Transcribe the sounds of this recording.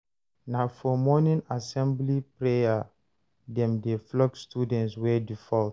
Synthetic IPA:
nafɔmɔnĩnasɛ̃mblipɹeja | dɛ̃mdeflɔkstudɛ̃ntswɛdifɔlt

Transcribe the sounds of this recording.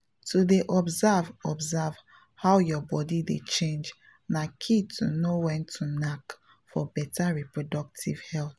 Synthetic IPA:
tʰudeʔɔbzavɔbzav | hawjɔbɔdidḛt͡ʃẽnd͡ʒ | nakʰitʰunowɛ̃ntʰunak | fɔbɛtaɹipɹodɔk̚tʰḭvhɛlθ

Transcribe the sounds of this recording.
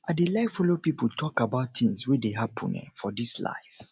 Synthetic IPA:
ʔadelaɪfɔlopipʰutʰɔkabaʊtθĩŋswideɦapʰʊ̰̃nɛ̰̃fɔdisla̰ɪf

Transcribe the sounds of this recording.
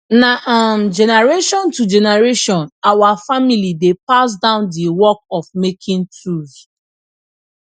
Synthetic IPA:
naʔamd͡ʒɛnɛɹeʃɔ̃ntud͡ʒɛnaɹeʃɔ̃nawafamilidepas̬dãʊ̃ndiwɔkɔfmekʰĩntɹuθ

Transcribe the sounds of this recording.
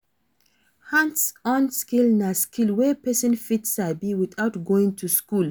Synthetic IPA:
hãnsɔ̃nskilnaskilwɛpɛsɔ̃nfitsabiwiθaʊtɡoĩŋtʰuskul

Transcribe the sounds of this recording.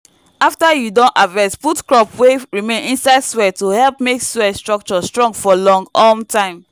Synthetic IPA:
aftajudõnavɛsputkɹɔpweɹimẽnĩnsaɪdswɛtohɛlpmekswɛstɹɔk̚t͡ʃɔstɹɔ̃ŋɡfɔlɔ̃ŋɡɔmtʰãɪ̃m

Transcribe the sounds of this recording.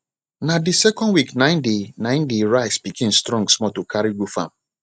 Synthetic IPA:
nadisɛkɔ̃ndwiknãɪ̃ndenãɪ̃ndeɹaɪsbikʰẽmstɹɔ̃ŋɡsmɔtukʰaɹiɡufã̰m

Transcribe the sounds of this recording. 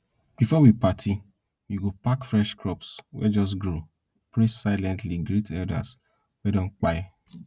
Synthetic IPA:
b̥ifɔwipatʰi | wiɡopakfɹɛʃkɹɔpswɛ̰d͡ʒɔs̬ɡɾo | pɹesaɪlɛ̃ntliɡɾitʰɛlda̰s | wɛdɔ̃ŋk͡paj

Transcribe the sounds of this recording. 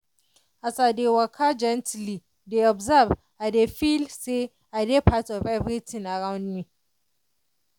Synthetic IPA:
asadewakʰad͡ʒɛ̃ntli | deɔbzab | adefilse | adepʰatɔvɛvɾitʰinaɾãw̃nːi

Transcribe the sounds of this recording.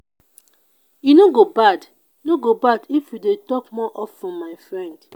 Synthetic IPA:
jinoɡobad | noɡobadifjudetɔkmɔʔɔfɹɔ̃mːaɪfɹɛ̃nd̥

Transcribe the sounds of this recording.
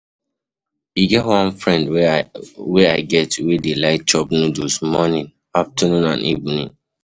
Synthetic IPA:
iɡɛtwãnfɹɛ̃nd | wɛaɪɡɛtwidelaɪt͡ʃɔp̚nũdosmɔnĩn | aftənũnã̰nʔḭvnĩn

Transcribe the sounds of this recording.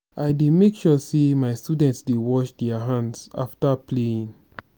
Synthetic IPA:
ʔaɪdemekʃɔsemaɪstudɛ̃ntsdewɔt͡ʃdɛəɦãndsa̰ftəpʰleĩn

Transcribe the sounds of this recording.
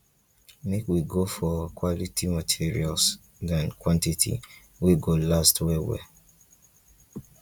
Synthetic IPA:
mekwiɡofɔkwɔlitimatʰiɹḭals | dãnkwãntitʰḭ | weɡolastwɛwɛ̰

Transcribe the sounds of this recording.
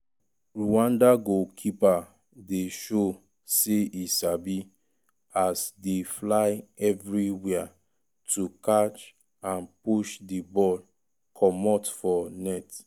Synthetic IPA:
ɹuãndaɡokʰipa | deʃo | seisabi | asdeflaɪɛvɹiwɛa | tukat͡ʃ | ãnpuʃdibɔl | kʰɔmɔtfɔnɛt

